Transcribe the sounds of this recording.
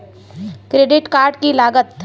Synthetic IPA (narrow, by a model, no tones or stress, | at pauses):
kɾeːɖɪʈkaːɾɖkilaːɡət̪